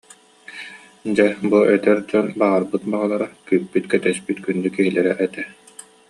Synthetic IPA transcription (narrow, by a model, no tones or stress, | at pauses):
d͡ʑɛbuɛt̪ɛɾd͡ʑɔnbaʁaɾbɯt̪̚baʁalˠaɾakyːpːyt̪kɛt̪ɛspyt̪kynd̪ykiɦilɛɾɛʔɛt̪ɛ